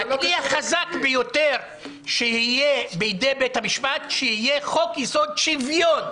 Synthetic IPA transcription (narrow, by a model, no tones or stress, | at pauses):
akliaχazakbejoteʁ | ʃehijebeidebethamiʃpatʃehijeχo̞kjiso̞d̪̚ʃivjo̞n